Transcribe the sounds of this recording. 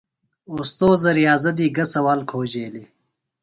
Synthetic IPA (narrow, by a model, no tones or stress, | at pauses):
ust̪oːzɐɾjaːzɐd̪iːɡɐsɐwaːlkʰoːd͡ʑeːli